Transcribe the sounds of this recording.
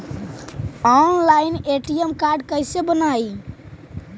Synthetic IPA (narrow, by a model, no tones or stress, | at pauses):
ɔnlaineʈiemkaɾɖkəjsebənaj